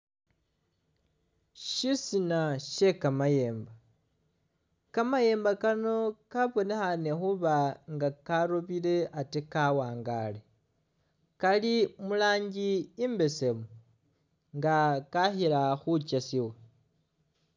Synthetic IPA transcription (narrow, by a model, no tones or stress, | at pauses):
ʃisinaʃe̞kamaje̞ːmba | kamaje̞ːmbakano̞kaβo̞ne̞xane̞xuβaŋɡakaɾoβile̞ʔatekawaːŋɡa̰ːle̞ | kalimulaːɲɟiːmbe̞se̞mu | ŋɡakaxiɾaxut͡ʃasiwe